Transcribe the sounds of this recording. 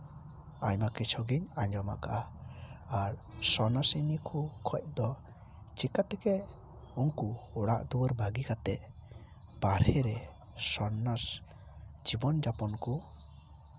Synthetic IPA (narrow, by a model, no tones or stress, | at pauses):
a̰ɲmakɛt͡ʃʰɔɡiɲaɲd͡ʒɔma̰kaʔaː | ɾsɔnasinikʰukʰɔc̚d̪ɔ | t͡ʃikat̪ɛkɛ | uŋkuːɽa̰ʔd̪uwəɾbaɡikat̪ɛʔ | b̥aɾhɛɾɛ | sɔnas | d͡ʒibɔnd͡ʒapɔnku